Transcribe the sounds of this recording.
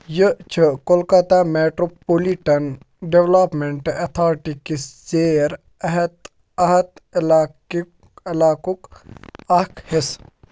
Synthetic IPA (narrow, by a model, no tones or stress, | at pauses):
jət͡ʃʰəkolkɐt̪ameːʈɾopoliʈɐn | ɖeʋlaːpmeɳʈɐt̪ʰaːɾʈikiszeːɾ | ɐɦt̪ | ɐɦɐt̪lː | ɐlaːkukɐkhes